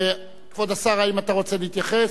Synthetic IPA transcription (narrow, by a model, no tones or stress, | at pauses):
kvod̪asaʁaimat̪aʁo̞t͡seliit̪jaχe